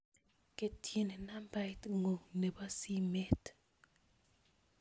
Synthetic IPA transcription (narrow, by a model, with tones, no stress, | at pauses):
ke˦tʰje˦ne˨na˦mba˦tŋo˨ne˨ba˦si˦me˦t